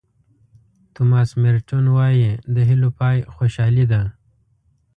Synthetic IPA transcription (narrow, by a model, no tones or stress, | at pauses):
t̪umɑːsmeɾt͡ʃonwɑjed̪əɦilopɑjxoʃɑːlid̪a